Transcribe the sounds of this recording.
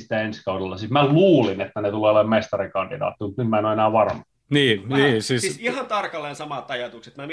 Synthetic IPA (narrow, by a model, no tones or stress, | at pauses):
si̥t̪ːæenskɑudelːɑsismæluːlinet̪ːænet̪uleːolemmest̪ɑrikɑnd̥idɑ̰ːt̪ːimut̪nymmæenoenæːʋɑrmɑ | niːniːsiːsihɑnt̪ɑrkɑlːensɑmɑt̪ːɑjɑt̪ukset̪mæm